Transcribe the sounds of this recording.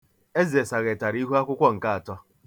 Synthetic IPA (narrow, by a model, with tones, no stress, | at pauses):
e˦zi˨e˨sa˨ɣe˨ta˨ɾi˦ɦu˦a˦kʷʊ˦kʷɔ˦ŋ̩˨ka˦a˨tɔ˦